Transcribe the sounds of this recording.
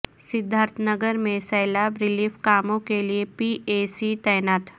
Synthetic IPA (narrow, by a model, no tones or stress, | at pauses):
sɪd̪ʱːəɾt̪ʰnəɡəɾmẽsɐːlaːbɾɪliːfkaːmõkeliepiːʔeːsit̪ɐjnaːt̪